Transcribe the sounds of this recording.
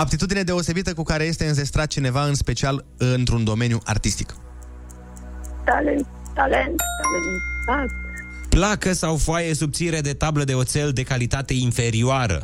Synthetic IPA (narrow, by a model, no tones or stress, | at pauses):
ap̚t̪it̪ud̪ine̞d̪e̞o̞se̞bit̪əkukaɾe̞je̞st̪e̞ɨnze̞st̪ɾat̪̚t͡ʃine̞vaɨnspe̞t͡ʃial | ɨnt̪ɾund̪o̞me̞njuʔa̰rt̪ist̪i̥k | t̪alen | t̪alent̪t̪alent̪asplakəsawfoajesub̚t̪sineɾed̪e̞t̪abləd̪e̞ot̪se̞ld̪e̞kalit̪at̪e̞infe̞ɾioaɾə̰